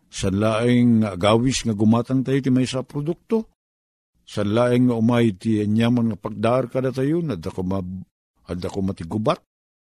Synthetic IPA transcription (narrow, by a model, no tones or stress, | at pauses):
sanlaʔɪŋːaɡaːwɪsŋaɡʊmat̪aŋt̪ajot̪ɪmajsapɾod̪ʊk̚t̪o | sanlaːʔɪŋːaʊmajt̪ɪaɲjamanŋapaɡ̚d̪aʔarkad̪at̪ajʊnad̪akoma | ad̪akomat̪ɪɡʊbat̪̚